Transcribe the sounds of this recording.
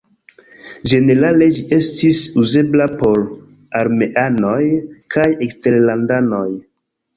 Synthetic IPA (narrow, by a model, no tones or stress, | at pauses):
d͡ʒe̞ne̞ɾale̞d͡ʒiʔe̞stisuze̞blapo̞ɾ | aɾme̞ʔano̞jkʰajekste̞ɾlandano̞j